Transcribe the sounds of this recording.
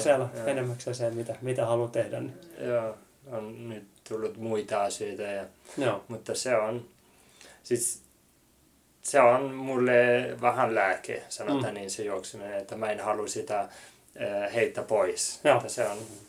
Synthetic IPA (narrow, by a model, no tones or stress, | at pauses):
sielenemːæksɑsemmit̪æmit̪æhɑlut̪ehdænːijoː | onnyt̪t̪ulːut̪muit̪ɑɑsøit̪æjɑmut̪ːɑseon | sit̪ | seonmulːeʋɑhɑnlæːkḛsɑnot̪hæninsejuoksenenet̪ːæmæenhɑlusit̪æː | heit̪ːæpoiset̪ːɑseon